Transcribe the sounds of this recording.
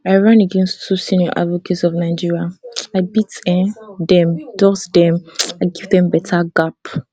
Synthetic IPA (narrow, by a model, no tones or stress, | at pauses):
aɪɹãnəɡɛ̃nstːusĩniɔ̰ʔa̰dvɔketsɔvnaɪd͡ʒiɹiaaɪbitɛ̃ndɛ̃md̥ɔsdɛ̃maɪɡivdɛ̃mbɛtʰaɡap